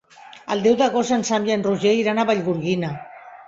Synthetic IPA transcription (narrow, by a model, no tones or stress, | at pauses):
a̰ld̪ewðaɣosansamʎanruʒeiɾanaβaʎɣuɾɣina